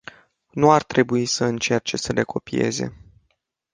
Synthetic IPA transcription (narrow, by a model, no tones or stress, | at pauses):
nuart̪ɾe̞buisəɨnt͡ʃe̞rt͡ʃe̞səle̞kʰo̞pie̞̰ze̞̰